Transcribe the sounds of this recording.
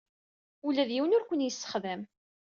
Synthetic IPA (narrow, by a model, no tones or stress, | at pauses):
ulæðjiwənʊɾkʷənjəsːə̥χðæm